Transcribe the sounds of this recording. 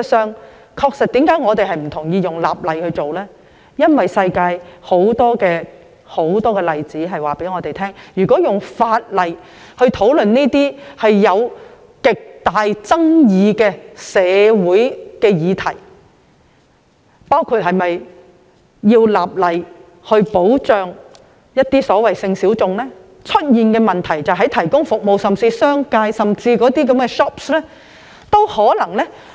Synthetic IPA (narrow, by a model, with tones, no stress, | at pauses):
sœː˧ŋ | kʰɔː˧k̚sɐ˨t̚t̪iː˨˥mkaː˨˥jŋɔː˨˧t̪e˨jɦɐ˨jm̩˨˩t̪ʰʊ˨˩ŋjiː˧jʊ˨ŋla̰ː˨p̚lɐ˨jhɵ˧ɥt͡ʃo˨wlɛː˥ | jɐ˥nwɐ˨jsɐ˧jkaː˧jho˨˥wt̪ɔː˥kɛː˧ | ho˨˥wt̪ɔː˥kɛː˧lɐ˨jt͡siː˨˥ɦɐ˨jwaː˨pe˨˥jŋɔː˨˧t̪e˨jt̪ʰɛː˥ŋjyː˨˩kʷɔː˨˥jʊ˨˩ŋfaː˧t̚lɐ˨j | hɵ˧ɥt̪ʰo˨˥wlɵ˨nneː˥t̪iː˥hɐ˨jːɐ˨˧w | kɪ˨k̚t̪aː˨jt͡sɐ˥ŋjiː˨˧kɛː˧sɛː˨˧wuː˨˥jkɛː˧jiː˨˧t̪ʰɐ˨˩j | paː˥wkʰuː˧˩t̚hɐ˨jmɐ˨j | jiː˧wlaː˨p̚lɐ˨j | hɵ˧ɥpo˨˥wt͡sœː˨ŋ | jɐ˥t̚t̪iː˥sɔː˨˥wɐ˨˩jsɪ˧ŋsi˨˥wt͡sʊ˨ŋlɛː˥ | t͡ʃʰɵ˥t̚jiː˨nkɛː˧mɐ˨nt̪ʰɐ˨˩jt͡sɐ˨wɦɐ˨˥jt̪ʰɐ˨˩jkʊ˥ŋfʊ˨k̚mo˨wsɐ˨mt͡siː˧sœː˥ŋkaː˧jsɐ˨mt͡siː˧kɔː˨˥t̪iː˥k̬ɐ˨˧˥mkɛ˧ʃɔː˥p̚slɛː˥ | t̪o˥whɔː˨˥lɐ˨˩ŋlɛː˥